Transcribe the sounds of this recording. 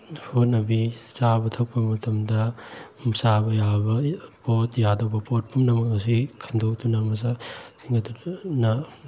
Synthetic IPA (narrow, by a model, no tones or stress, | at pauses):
hot̚nɐbisabɐtʰɐk̚pɐmɐtʰɐmdɐmsabɐjabɐpotjadɐwbɐpot̚pʰumnɐmɐkɐsikʰɐndowtunɐmɐs̬asiŋɡɐtunɐ